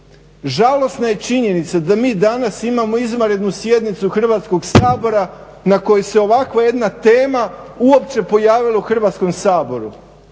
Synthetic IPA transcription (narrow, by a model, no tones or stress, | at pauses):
ʒalˠo̞snaje̞t͡ʃiɲe̞nit̪sad̪amiːd̪anasimamo̞izmaɾe̞d̪nusje̞d̪nit̪suxr̩ʋaːt̪sko̞ɡsaːbo̞ɾa | nako̞jese̞o̞ʋakʋaje̞d̪nat̪e̞ːmauo̞p̚t͡ʃe̞po̞jaːʋilˠauxr̩ʋaːt̪sko̞msaːbo̞ɾu